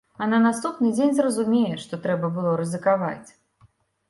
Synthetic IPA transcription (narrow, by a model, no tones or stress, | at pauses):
ɐnɐnast̪upnɨd͡zʲenʲzrɐzumʲejɛʂt̪ɔt̪ɾɛbɐbɨlˠɔɾɨzɨkava̰t͡sʲ